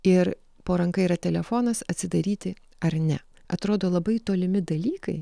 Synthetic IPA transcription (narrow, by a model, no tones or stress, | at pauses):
ɪɾ | poːɾɐŋkɐɪiɾɐt̪ʲɛlʲɛfoːnɐsɐt̪ʲsʲɪd̪ɐɾʲiːt̪ʲɪ | ɐɾnʲɛ | ɐt̪ɾoːd̪oːlˠɐbɐɪt̪oːlʲɪmʲɪd̪ɐlʲiːkɐɪ